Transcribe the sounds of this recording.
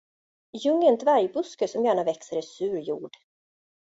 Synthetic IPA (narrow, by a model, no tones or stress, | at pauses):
jɵŋːənt̪ʰvæɾjbɵskəsɔmjæːɳavɛksəɾɪsʉ̟ːɾjuːɖ